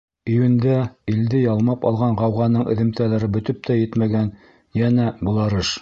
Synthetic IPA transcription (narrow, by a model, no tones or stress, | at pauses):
ɵ̆jwɘ̆nd̪æild̪ɘjɑlˠmɑpɑ̰lˠʁɑɴʁɑwʁɑnɤɴʔɘ̆ðɘ̆mt̪ælæɾɘbɵ̆t̪ɵp̚t̪ʰæjɘt̪mæɡæn | jænæbŭlˠɑɾɤʃ